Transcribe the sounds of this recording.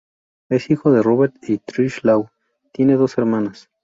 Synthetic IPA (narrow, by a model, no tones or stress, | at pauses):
e̞sixoðeroβeɾt̪it̪ɾiʃlaw | t̪jene̞ðo̞seɾmãnas